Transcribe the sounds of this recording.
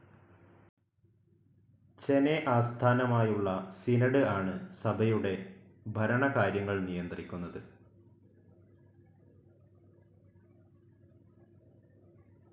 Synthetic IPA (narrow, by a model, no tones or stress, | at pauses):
t͡ɕe̞ne̞ʔaːst̪ʰaːnɐmaːjuɭːɐsinɐɽɨaːɳɨsɐbʱɐjuɽe̞ | bʱɐɾɐɳɐkaːɾjɐŋːɐɭnijɐnd̪ɐrikʲːunːɐðɨ